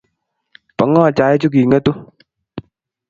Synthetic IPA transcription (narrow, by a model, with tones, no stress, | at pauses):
pa˨˦ŋɔː˦˨t͡ʃa˨˦jt͡ʃu˦k̬i˨ŋə˦tu˦